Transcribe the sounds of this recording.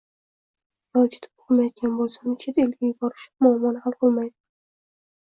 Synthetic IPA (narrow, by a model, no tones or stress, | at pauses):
jɒlˠt͡ʃʰɪ̥t̪ʰɪ̥p̚olmajɒd̪̚ɡʲanbolˠsanɪt͡ʃʰɪd̪aelɡʲajʊbɒɾɪʃɪ̥pmʊːmːɒnhalˠqolˠmajd̪ɪ